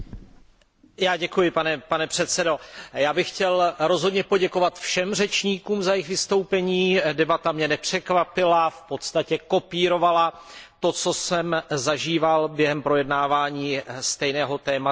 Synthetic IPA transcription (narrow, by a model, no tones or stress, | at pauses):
jaːɟɛkujɪpanɛpanɛpr̝̥ɛt̪sɛdo̞jaːbɪxcɛlɾo̞zɦo̞dɲɛpoɟɛko̞vat̪fʃɛmr̝ɛt͡ʃɲiːkuːmzajɪxvɪst̪o̞wpɛɲiːdɛbat̪amɲɛnɛpr̝̥ɛkvapɪlafpo̞t̪st̪acɛko̞piːɾo̞valat̪o̞t͡so̞sɛmzaʒiːvalbjɛɦɛmpɾo̞jɛdnaːvaːɲiːst̪ɛjnɛːɦo̞t̪ɛːma